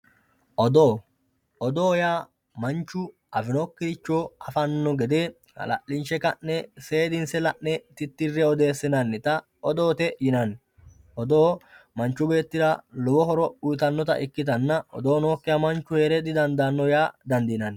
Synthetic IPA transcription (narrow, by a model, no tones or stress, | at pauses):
ʔɔd̪oː | ʔɔd̪oːjaː | mɐnt͡ʃːʊ | ʔɐfɪnoːkːɪɾɪt͡ʃːoːɐfɐnːɔɡɛd̪e̞ː | hɐ̰lɐ̰ʔːɪnʃɛkɐʔːɛse̞ːd̪ɪnsɛlɐʔnːɛt̪ɪt̪ːɪrːɛɔd̪e̞ːsːɪnɐnːɪt̪ɐ | ɔd̪o̞ːt̪ɛjɪnɐn | ʔɔd̪oːmɐnt͡ʃːʊbe̞ːt̪ːɪɾɐlɔbɔɦɔɾɔʊjt̪ɐnːɔt̪ɐ̰ʔɪkːɪt̪̬ɐnːɐɔ̰d̪o̞ːno̞ːkːɪjɐmɐnt͡ʃːʊheːɾɛd̪ɪd̪ɐnd̪aːnːɔjaːd̪ɐnd̪iːnɐn